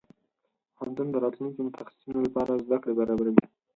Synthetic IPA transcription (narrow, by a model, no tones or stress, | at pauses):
hɑnt̪und̪əɾɑt̪lunkomʊt̪ʰaxssunolapɑɾazd̪akɽebaɾɑbaɾawi